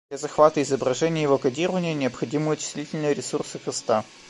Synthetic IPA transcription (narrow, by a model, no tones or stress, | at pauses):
lʲazɐxvat̪əɪzəbɾɐʐɛnʲɪjəjɪvo̞kɐdʲiɾəvənʲɪjənʲɪəpxɐdʲimɨjʊt͡ɕɪ̥sʲlʲitʲɪlʲnəjəɾʲɪsursɨkɐst̪a